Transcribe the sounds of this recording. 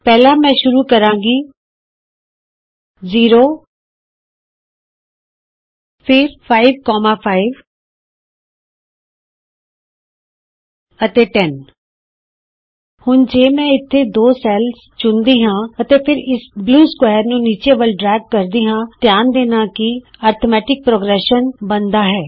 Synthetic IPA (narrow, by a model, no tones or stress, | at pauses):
pɛːlãːmɛ̃ːʃʊɾuːkəɾãːɡiː | ziːɾoː | pʰɪɾpʰaːɪʋkɔːmaːpʰaːiʋ | ət̪eːʈɛn | hʊnd͡ʒeːmɛ̃ːɪt̪ʰːeːd̪oːsɛːls | t͡ʃʊnd̪iːɦãːət̪eːpʰɪɾɪsbluːskwɛːɾnũːniːt͡ʃeːʋəlɖɾɛːɡ̚kəɾd̪iːɦãːt̪ɪjaːnd̪eːnaːkiaːɾt̪ʰomɛːʈɪk̚pɾoːɡɾɛːʃənbənd̪aːɦɛː